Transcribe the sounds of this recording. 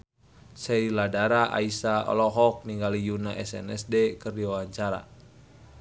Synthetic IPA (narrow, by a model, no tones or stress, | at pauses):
sɛiladaɾaʔa̰isaɔ̰lɔɦɔk̚niŋɡalijunaʔɛsɛ̰nɛsdɛkərdiwawaɲt͡ʃaɾa̰